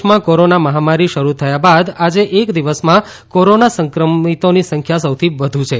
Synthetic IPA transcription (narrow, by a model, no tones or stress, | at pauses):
mãkoɾonaməɦamaɾiʃəɾut̪ʰəjabad̪ad͡ʒeʔekd̪iʋəsmã | koɾonasə̃ŋkɾəmit̪onisəŋkʰjasəwt̪ʰiʋəd̪ʱũt͡ʃʰe